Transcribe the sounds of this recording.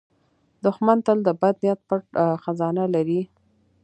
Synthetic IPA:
d̪ʊxmant̪əld̪əbad̪nijat̪̚pəʈxazɑnalaɾi

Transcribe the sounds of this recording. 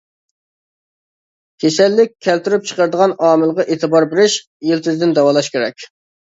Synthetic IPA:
kʲʰesɛlːɪk̚ʲʰːælt̪yɾyp̚t͡ʃʰə̥qəɾd̪əʁɑnɑːmɪlˠʁɑʔet̪ʰɨbɑɾbeɾɪʃ | jilt̪ʰɪzd̪ɪnd̪ɛwɑlˠɑʃkʲeɾɛkʲ

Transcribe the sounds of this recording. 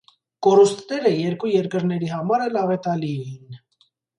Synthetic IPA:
kɔɾust̪nɛɾəjɛɾkujɛɾkəɾnɛɾiɦɑmɑɾɛlɑvɛt̪ɑliɛin

